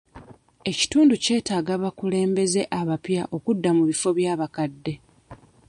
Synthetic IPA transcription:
e̞ci̥tuːnduce̞ːtaːɡaβakule̞ːmbe̞ze̞ʔaβapja̰ʔo̞kudːamuβifo̞βjaːβakadːe̞

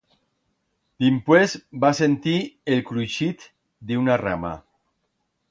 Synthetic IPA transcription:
d̪̥impwezbasent̪ielkɾujʃit̪ | d̪iunara̰ma̰

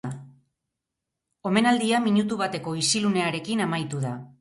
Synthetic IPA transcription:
o̞me̞nald̪iamiɲut̪̬uβ̞at̪e̞ko̞isilune̞aɾe̞kinamajt̪uða

